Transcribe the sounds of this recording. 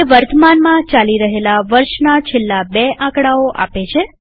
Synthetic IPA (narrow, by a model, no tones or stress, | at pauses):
ʋəɾt̪ʰəmanmãt͡ʃaliɾəɦelaʋəɾʃnat͡ʃʰelːabeʔãkɽaoʔa̰pet͡ʃʰe